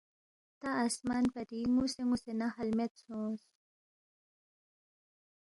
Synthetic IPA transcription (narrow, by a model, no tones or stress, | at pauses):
t̪aasmanpɐɾiŋuseŋusenahalmet̪sõs